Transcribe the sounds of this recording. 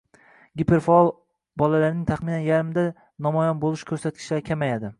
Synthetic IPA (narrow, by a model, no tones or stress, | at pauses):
ɡʲipʰeɾfaɒlˠ | bɒlalaɾnɪŋt̪ʰaχmɪnanjaɾmɪd̪a | nɒmɒjanbolˠɪʃkʰɵɾsat̪̚kʲʰɪʃlaɾkʲʰamajad̪ɪ